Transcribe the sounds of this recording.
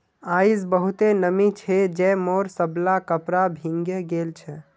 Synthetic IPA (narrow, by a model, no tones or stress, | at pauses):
aid͡ʒbəɦut̪enəmit͡ʃʰɛd͡ʒɛmoɾsəblakəpɾabʱiŋɡeɡelt͡ʃʰɛ